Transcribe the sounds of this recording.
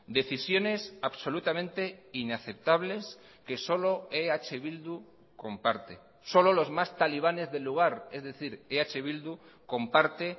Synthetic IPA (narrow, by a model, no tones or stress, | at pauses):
d̪e̞θisjo̞ne̞saβso̞lut̪amẽnt̪e̞inaθe̞p̚t̪aβ̞le̞s | ke̞so̞lo̞eat͡ʃeβild̪u | ko̞mpaɾt̪e | so̞lo̞lo̞zmast̪aliβ̞ane̞zðe̞lːuɣ̞aɾe̞zðe̞θiɾeat͡ʃe̞β̞ild̪u | ko̞mpaɾt̪e